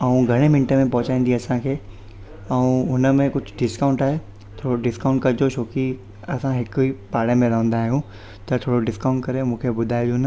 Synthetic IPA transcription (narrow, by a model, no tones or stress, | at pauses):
ɐũɡʱɐɽ̃emɪ̃nʈemẽpɐɦʊt͡ɕaːĩːn̆d̪iɐsãkʰeː | ɐũɦʊnəmẽkʊd͡ʑʱʊɖɪskãːʊ̃ɳʈaːɦe | t̪ʰoːɽoɖɪskãʊ̃ɳʈ̚kɐɾd͡ʑot͡ɕʰoːki | ɐsãɦɪkipaːɽemẽləːʋə̃nd̪aːɦijũ | t̪ɐt̪ʰoːɽoɖɪskaʊ̃ɳʈkɐɾemũːkʰebʊd̪ʱaːid͡ʑoːnə